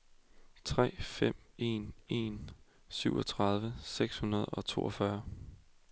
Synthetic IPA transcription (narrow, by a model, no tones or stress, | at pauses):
t͡sʰʁɛ̰ːfem̰e̝̰ːne̝̰n | syʊ̰ɒ̽t͡sʰʁɑ̈ð̞ˠʋəseɡ̥shunɐð̞̩ˠɒ̽t͡sʰo̝ːɒ̽fɶɐ